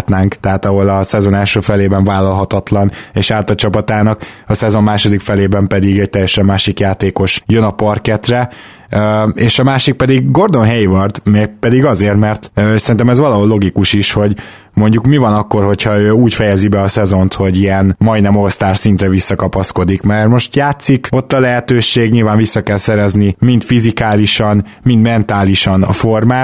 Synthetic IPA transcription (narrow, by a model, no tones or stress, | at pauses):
t̪naːŋkt̪ɛɦaːt̪ɒɦo̞lɒsɛzo̞nɛlʃøːfɛleːbɛɱvaːlːɒlɦɒt̪ɒt̪lɒneːʃaːrt̪ɒt͡ʃɒpɒt̪aːnɒkɒsɛzo̞mːaːʃo̞d̪ikfɛleːbɛmpɛd̪iɡɛc̚t̪ɛjːɛʃɛmːaːʃikjaːt̪eːko̞ʃjønɒpɒrkɛt̪rɛ | øeːʃɒmaːʃik̚pɛd̪iɡɡo̞rd̪o̞nɦɛjivɒrt̪meːɡ̚pɛd̪iɡɒzeːrt̪mɛrt̪sɛɾint̪ɛmɛzvɒlɒɦolːo̞ɡikuʃiʃho̞ɟ | mo̞ɲɟukmivɒnɒkːo̞rho̞cʰhɒøːuːcfɛjɛzibɛɒsɛzo̞nt̪ho̞ɟijɛnmɒjinɛmo̞st̪aːʃsint̪rɛvisːɒkɒpɒsko̞d̪ikmɛrmo̞ʃt̪jaːt̪siko̞t̪ːɒlɛɦɛt̪øːʃeːɡɲiːlvaːɱvisːɒkɛlsɛɾɛznimint̪fizikaːliʃɒn | mind̪mɛnt̪aːliʃɒnɒ̰formaː